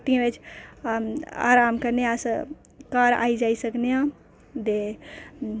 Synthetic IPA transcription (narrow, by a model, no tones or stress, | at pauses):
t̪ĩɾet͡ʃʰ | a̰ɾamkəɾneasə̃ | kaɾa̰id͡ʒaisəknejã | d̪e